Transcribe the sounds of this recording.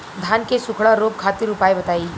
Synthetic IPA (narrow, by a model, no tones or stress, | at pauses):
d̪ʱaːnkesʊkʰɽaɾoːp̚kʰaːt̪iɾʊpaːebɐt̪aːiː